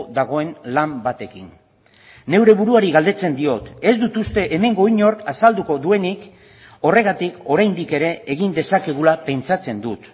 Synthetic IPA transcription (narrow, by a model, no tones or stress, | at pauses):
ðaɣ̞o̞e̞nlambat̪e̞kinː | e̞wɾe̞βuɾuaɾiɣald̪e̞t͡se̞nd̪io̞t̪e̞zd̪ut̪ust̪e̞ʔeme̞ŋɡo̞iɲo̞ɾkasald̪uko̞ðue̞nik | o̞re̞ɣ̞at̪iko̞ɾajnd̪ike̞ɾe̞ːɣind̪e̞sakeɣ̞ulape̞nt͡sat͡se̞nd̪ut̪